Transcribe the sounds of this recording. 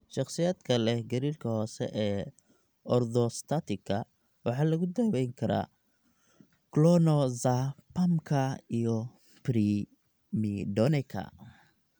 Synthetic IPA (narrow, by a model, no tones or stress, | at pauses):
ʃɑχsɪjaːd̪kʰɐlɛɡɐɾiːrkʰɐhɔːsɛ̰ʔɛː | ɔrd̪ɔst̪ʰat̪ʰɪkʰɐ | wɑħɑːlɐɣʊd̪ɐːwɛjŋkʰɐɾa̰ː | klɔnɔzapɐmkʰɐijɔ | pɾi | midɔnɛkʰɐ̰